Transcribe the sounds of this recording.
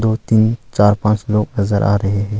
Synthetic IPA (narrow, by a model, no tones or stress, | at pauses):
d̪oːt̪iːnt͡ʃaːɾpãːt͡ʃloːɡnɐzəɾʔa̰ːɾɐɦeɦɛ̃ː